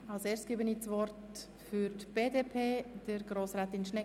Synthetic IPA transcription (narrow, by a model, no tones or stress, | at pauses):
alseːɾst̚ɡ̥iːbəniːt͡svɔɾt | fʏɾtb̥eːdepʰeːd̥əɾɡɾoːsɾaːtɪnʃnɛ